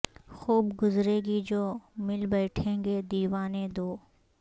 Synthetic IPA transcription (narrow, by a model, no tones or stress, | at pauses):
xuːbɡʊzɾeːɡid͡ʒoːmɪlbɛːʈʰẽːŋɡed̪iːʋaːned̪oː